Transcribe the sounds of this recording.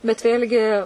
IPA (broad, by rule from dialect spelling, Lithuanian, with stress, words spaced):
bʲɛt ˈʋʲeːlʲɡʲɪ